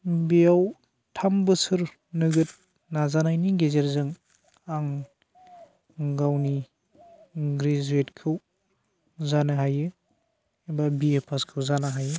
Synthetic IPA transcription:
bijaw | tʰambɯsɯɾ | nɯɡɯt̚ | nazanajniɡezeɾzɯŋ | aŋ | ɡawni | ɡɾezuetkʰɯw | zanaɦajɯ | ebabiepʰaskʰɯwzanaɦajɯ

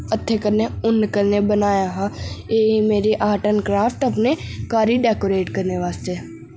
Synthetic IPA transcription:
ɐt̪ʰːekəɾneʊnkəɾnebənaːjaɦajeːimeːɾiʔaːʈənkɾaːfʈɐpnekaːɾiɖɛːkoːɾeːʈkɐɾneʋaːst̪eː

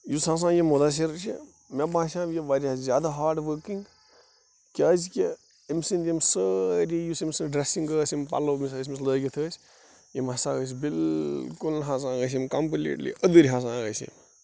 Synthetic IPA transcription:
jusɦãːs̬ãːjemod̪aːs̬iɾt͡ʃḭ | mʲebãːsʲãːbjeʋaːɾiɦaːszjaːd̪aɦaːɾʈʋəkiŋɡ | kʲaːzkʲe | imsint̪jimsəɾʲijusimsinɖɾesĩŋɡəːsimpa̰lomisəːs̬ʲmisləːɡʲit̪ʰəːsʲ | jimɦɐsãːɣəs̬bilkulnɦãːs̬ãːɡəs̬imkamplḭːʈlḭəd̪ɨɾʲiɦãːs̬ãːɡəsḭm

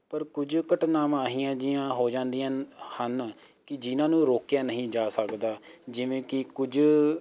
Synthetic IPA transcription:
pəɾkʊd͡ʒkəʈnaːmaːɦiːãːd͡ʒɪːãːɦoːd͡ʒãːnd̪ijãːhən | kɪd͡ʒɪnãːnũːɾoːkjaːnəɦĩːd͡ʒaːsəkd̪aːd͡ʒɪʋẽːkɪkʊd͡ʒ

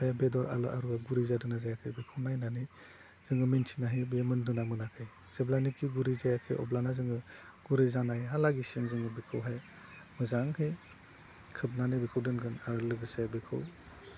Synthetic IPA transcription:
pʰajbedɔɾa̰lɔʔaɾuɡaɡuɾizadɯnazajakʰɯjbikʰɯwnajnani | z̥ɯŋɯmintʰi̥naɦibemɯndunamɯnakʰɯj | z̥eblanikːiɡuɾizajakʰɯ̰jʔɔ̰blanazɯŋɯ | ɡ̥uɾizanajɦalaɡisimzɯŋɯbikʰɯwɦaj | mɯzaŋhɯj | kʰɯp̚nanibikʰɯwdɯnɡɯnaɾɯlɯɡɯsabikʰɯw

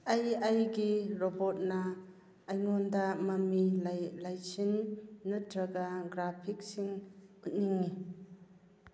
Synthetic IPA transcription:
ajajɡiɾɔbot̚nɐː | jŋɔndɐmɐmilajsinːutɾɐɡaɡɾapʰik̚siŋut̚niŋːi

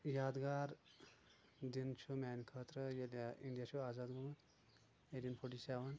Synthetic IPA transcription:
jad̪ɡaɾ | d̪int͡ʃʰumankʰət̪ɾəjeljaiɳɖijasʰuaːzad̪ɡumɐn | edinpʰoʈisawan

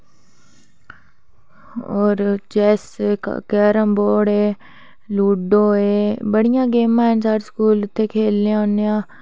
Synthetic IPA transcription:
oːɾd͡ʒɛːskɛːɾə̃mboːɽeː | luːɖoːeːbəɽɪjãːɡeːmãːɪnsaːɾskuːlɪt̪ʰːeːkʰeːlãːonejãː

